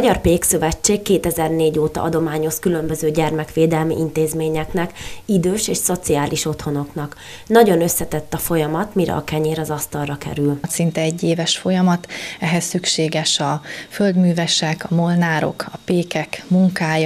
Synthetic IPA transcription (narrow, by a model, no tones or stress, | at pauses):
mɒɟɒrpeːksøvɛt͡ʃːeːkːeːt̪ɛzɛrneːɟoːt̪ɒ̰ʔɒd̪o̞maːɲo̞skylømbø̞zøːɟɛrmɛkʋeːd̪ɛlmḭʔint̪eːzmeːɲɛknɛkid̪øːʃeːʃso̞t̪siaːliʃo̞t̪ho̞no̞knɒk | nɒɟo̞nøsːɛt̪ɛt̪ːɒfo̞jɒmɒt̪miɾɛ̰ɒ̰kɛɲeːɾɒzɒst̪ɒlrɒkɛ̰ɾylt̪sint̪ɛɛɟːeːvɛʃfo̞jɒmɒt̪ɛɦɛsːykʃeːɡɛʃɒføld̪myːvɛʃɛkɒmolnaːɾo̞̰kɒpeːkɛkmuŋkaːj